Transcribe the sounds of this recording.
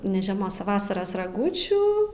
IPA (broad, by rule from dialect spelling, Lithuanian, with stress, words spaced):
nʲɛ ʒʲɛˈmoːs ɐ ˈʋɑːsɐrɐs rɐˈɡuːt͡ʃʲuː